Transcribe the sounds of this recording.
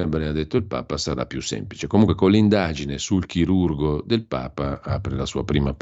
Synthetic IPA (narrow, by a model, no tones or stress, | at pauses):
abɾɛad̪et̪ːoilpa̰ːpasaɾa̰pːjṵsːɛ̰mplit͡ʃekomuŋkwekonlːind̪ad͡ʒinesulk̟iɾurɡod̪elpa̰ːpaaːpɾelasuːapɾiːmap